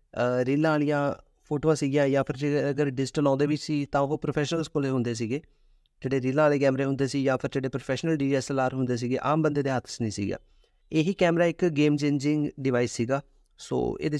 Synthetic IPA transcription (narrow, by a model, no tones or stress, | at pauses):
ɾilãːlijaː | pʰoːʈoːasiːɡijaːjaːpʰɪɾd͡ʒeəɡəɾɖɪzʈəlɔ̃ːnd̪eːʋiːsiːt̪ãːoːpɾopʰɛːʃnəlskoleːɦʊ̃nd̪eːs̬iːɡeː | d͡ʒeːɽeːɾiːlãːleːkɛːmɾeːɦʊ̃nd̪eːsiːjaːpʰɪɾd͡ʒeːɽeːpɾopʰɛːʃnəlɖiːɛsəlaːɾɦʊnd̪eːs̬iːɡeːʔaːmbənd̪eːd̪eːɦət̪ʰsnĩːsḭːɡja̰ː | eːɦiːkɛːmɾaːɪkɡeːmt͡ʃẽːnd͡ʒɪ̃ŋɡɖɪʋaːiːsːiːɡaː | so̰ːḛːd̪e